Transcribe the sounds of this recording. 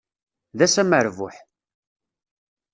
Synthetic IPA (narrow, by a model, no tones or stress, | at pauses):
ðæsæməɾvʊħ